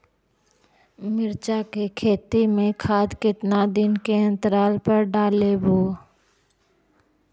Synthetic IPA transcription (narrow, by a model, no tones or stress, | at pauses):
mɪɾt͡ʃakekʰeːt̪imẽkʰaːd̪kɪt̪nad̪ɪnkeɐ̃nt̪əɾaːlpəɾɖaːleboː